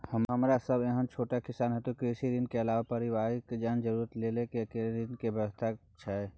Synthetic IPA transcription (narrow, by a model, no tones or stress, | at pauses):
həmɦəmɾasəbeɦənt͡ʃʰoʈakisanɦət̪ukɾesiɾinkeəlawapəɾiʋaɾikd͡ʒaɦənd͡ʒəɾuɾət̪lelẽkiəkeleɾinkebjəwəst̪ʰa | t͡ʃʰɛ